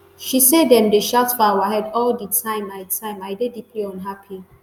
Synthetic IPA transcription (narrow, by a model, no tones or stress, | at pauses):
ʃisedɛ̃mdeʃaʊtfɔawaɦɛdɔlditʰãɪ̃maɪtʰãɪ̃maɪdedipleɔ̃nɦapʰi